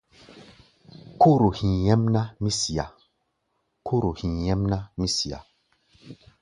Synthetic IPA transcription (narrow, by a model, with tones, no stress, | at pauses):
ko˦ɾo˨hĩ˨jɛ˦mna˦mi˦si˨a̰˨ | ko˦ɾo˨hĩ˨jɛ˦mna˦mi˦si˨ja̰˨